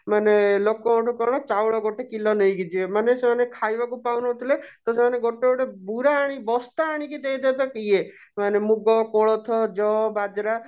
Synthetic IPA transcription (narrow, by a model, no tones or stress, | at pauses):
manelokɔɔʈʰukɔɽ̃ɔt͡ʃawɭɔɡoʈekilɔnəiɡid͡ʒiemanesemanekʰajʋakupawnɔt̪ʰilet̪ɔsemaneɡoʈeɔʈebuɾaːɽ̃ibɔst̪aaɽ̃ikid̪eid̪ebekie | manemuɡɔkoɭɔt̪ʰɔd͡ʒɔbad͡ʒɾa